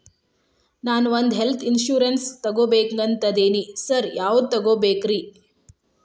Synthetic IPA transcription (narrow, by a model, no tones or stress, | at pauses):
naːnʋond̪ɦelt̪ʰinʃjuːɾenst̪ɐɡoːbeːkŋɡɐnt̪ɐd̪eːnisɐɾjaːʋd̪̚t̪ɐɡoːbeːkɾi